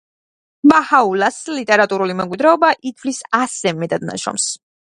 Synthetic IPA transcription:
bahaulaslit̪ʼɛɾat̪ʼuɾulimɛkʼwid̪ɾɛɔbaʔit̪ʰvlisasɛmɛd̪ʼad̪na̰ʃɔ̰ms

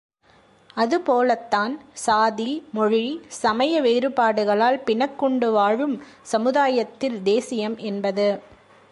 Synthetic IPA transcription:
ɐðɯpoːlɐt̪ːaːnsaːðimɔɻisɐmɐjɐʋeːɾɯpaːɽɯɣɐɭaːlpɪɳɐkːɔɳɖɯʋaːɻɯmsɐmɯðaːjɐt̪ːɪld̪eːsɪjɐmʔɛnbɐðɯ

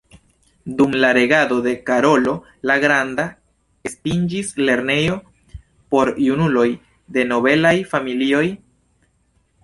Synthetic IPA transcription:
dumlaɾe̞ɡado̞de̞kaɾo̞lo̞ | laɡɾanda | espind͡ʒisle̞ɾne̞jo̞ | po̞ɾjunulo̞j | de̞no̞be̞lajfamilio̞j

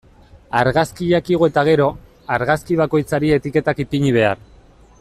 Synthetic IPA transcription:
aɾɣaskiʎakiɣoe̞t̪aɣ̞e̞ɾo̞ | aɾɣaskiβ̞ako̞jt͡saɾie̞t̪ike̞t̪akipiɲiβ̞e̞aɾ

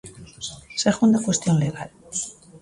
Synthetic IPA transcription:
seɣund̪akwe̞st̪jonleɣa̰l

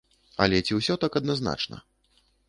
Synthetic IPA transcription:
ɐ̰lʲɛt͡sʲiwsʲɔt̪akɐd̪nazna̰t͡ʂnɐ̰

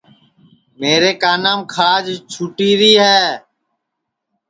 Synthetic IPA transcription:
meːɾeːkaːnaːmkʰaːd͡ʒt͡ʃʰuːʈiːɾiːɦɛː

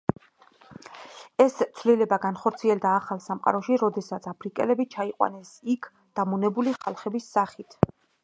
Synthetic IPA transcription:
ɛst̪sʰvlilɛbaɡanχɔɾt̪sʰiɛld̪aːχalˠsamqʼa̰ɾɔʃiɾɔd̪ɛsat̪sʰapʰɾikʼɛ̰lɛbit͡ʃʰaiqʼwa̰nɛsikʰ | d̪̥amunɛbuliχalˠχɛbisːaχit̪ʰ

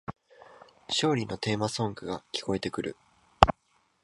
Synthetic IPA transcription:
ɕo̞ːɾʲino̞t̪e̞ːmasõ̞ŋɡɯ̟ɡakʲi̥ko̞e̞t̪e̞kɯ̟ɾɯ̟

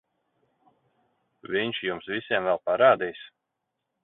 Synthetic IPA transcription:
vʲiɲʃjumsvʲisʲiɛmvɛlˠpaɾaːd̪iːs

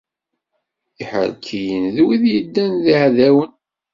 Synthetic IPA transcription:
iħə̰ɾkʰijənðwiðjəd̪ːænðiʕðæwən

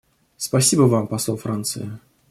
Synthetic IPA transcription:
spɐsʲibəvampɐsˠofɾant̪sɨ̰ɪ

